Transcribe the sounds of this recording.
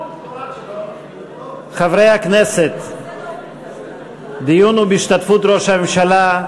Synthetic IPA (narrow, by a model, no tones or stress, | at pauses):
χavʁe̞jhakne̞set̪ | d̪ijunubeiʃt̪at̪fut̪ɾo̞ʃhamemʃala